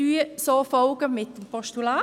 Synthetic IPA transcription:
yːsoːfoʊɡ̥əmɪt̪̚ːmpʰɔʃt̪ylɑː

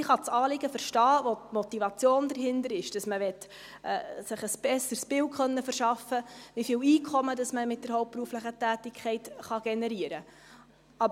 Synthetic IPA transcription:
ɪχɑt͡sɑːlɪɡəfəɾʃtɑːʋɔtmɔt̪ivɑt͡sjoːndəɾɦɪndəɾɪʃd̥ɑsməʋɛt | ɛ̰ːsɪχəsb̥ɛsəɾsb̥ɪlkχœnːəfəɾʃɑfːəʋifiːwiːkʰχɔmədɑsməmɪt̚d̥ɛɾhɔʊp̚pːɾuəfləχətæːtɪkʰχɛɪtχɑɡ̥ɛnɛɾiəɾə | ɑb

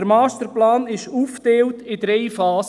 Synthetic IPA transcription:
əɾmɑːstəɾplaːnɪʃuːfteːltɪdɾeɪfɑːs

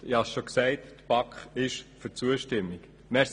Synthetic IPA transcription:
ɪhɑsʃoksɛɪttpɑkχɪʃfyt͡suəʃtɪmːik | mɛs

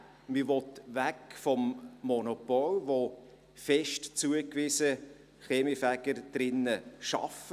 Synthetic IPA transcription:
mɪʋɔtvækfɔmːɔnɔpɔlʋo | fɛʃtt͡suəkʋiːsə | χeːmifæɡ̥əɾd̥ɾɪnːəʃɑ̰fə

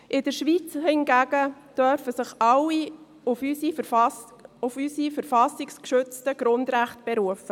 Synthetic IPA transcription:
ʔɪd̥əɾʃʋiːt͡shɪnɡæɡ̥əd̥œɾfəsɪχɑlːi | ʊfysi | ʊfysifəɾfɑsɪkskʃʏt͡stəɡ̥ɾʊndɾæχtb̥ɛɾuəfə

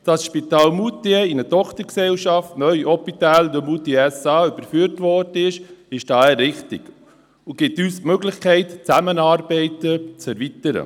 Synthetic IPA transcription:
d̥ɑsʃpitɑːlmut̪iinətɔχtəɾksɛlʃɑftnœʏʔɔpitæːld̪əmutiɛsɑːyb̥əɾfyːəɾtʋɔd̥əɪʃɪʃd̥ɑːɛɾɪχtɪ̰ɡ | uɡ̥ɪtystmøɡlɪχkʰɛɪtt͡sæmənɑːɾbɛɪtət͡sɛɾvitəɾə̰

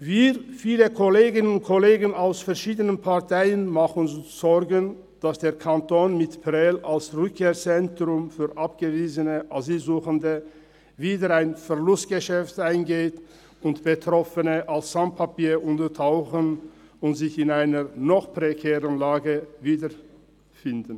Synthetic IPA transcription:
viːfiːləkʰɔleːɡɪnənʊnt̚kʰɔleːɡənaʊsfɛʁʃiːdənənpʰaɐtʰaɪənmaχʊnz̥ɔʁɡən | d̥asd̥eːɐkʰantoːnmɪtpʁɛlalsʁʏkʰːeːʁt͡sɛntʁ̥ʊmfyːʁʔapɡ̥əviːzənəʔaziːlzuːxəndə | viːdəʁaɪnfɛʁlʊstɡ̥əʃɛftaɪnɡeːt | ʊntb̥ətʁ̥ɔfənəʔalsz̥an̚pʰapiːʔʊntətʰaʊxən | ʊntz̥ɪçɪnaɪnənɔχpʁ̥ekʰɛːʁənlaːɡəviːdə | fɪndn

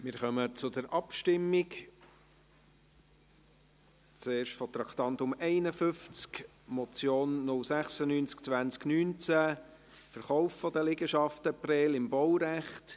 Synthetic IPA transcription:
mɪɾχœmət͡sʊd̪əɾʔɑpʃtɪmːɪk | t͡seːɾʃtfɔt̪ɾɑkt̪ɑnt̪ʊmɛɪnəfʏft͡sk | mɔt͡sjoːnːʊlsæχsənyːnt͡sk̚t͡svænt͡sknyːnt͡sæ | fəɾχɔʊffɔdəlɪɡəʃɑftəprɛːlɪmbɔwɾæχt

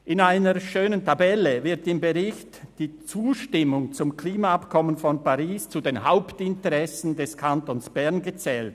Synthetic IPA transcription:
ʔɪnaɪnəʃøːnəntʰabɛləvɪɐtɪmbəʁɪçtd̥iːt͡suːʃtɪmʊŋt͡sʊmkliːmaapkʰɔmənfɔnpaʁiːst͡sudeːnɦaʊptɪntəʁɛsn̩dɛskʰantoːnsb̥ɛɐnɡət͡sɛːlt

